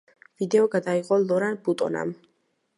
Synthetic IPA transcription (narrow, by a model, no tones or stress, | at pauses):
vid̪ɛɔɡad̪aiqʼɔlˠɔɾanbut̪ʼɔ̰na̰m